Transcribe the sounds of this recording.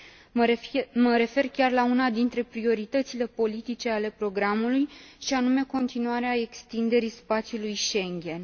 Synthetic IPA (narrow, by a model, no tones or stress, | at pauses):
məɾe̞fe̞rkʲarlaunad̪int̪ɾe̞pɾio̞ɾit̪ət̪sile̞po̞lit̪it͡ʃe̞ale̞pɾo̞ɡɾamulujʃianume̞ko̞nt̪inuaɾeae̞kst̪ind̪e̞ɾispat̪sʲjulujʃe̞ŋɡʲe̞n